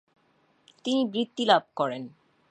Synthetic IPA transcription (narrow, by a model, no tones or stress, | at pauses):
t̪inibɾit̪ːilab̚ʱkɔɾen